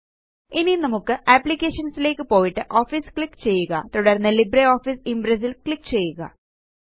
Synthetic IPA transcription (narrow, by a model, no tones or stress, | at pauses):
ininɐmukːɨʔɐpːlikʲːeːʂɐnsile̞ːkːɨpo̞ːjiʈːɨʔo̞ːfiskɭikːt͡ɕe̞jːuɣɐ̰t̪uɽɐrnːɐlibɾeo̞ːfisimbɾɐs̬ilkɭikːt͡ɕe̞jːuɣɐ̰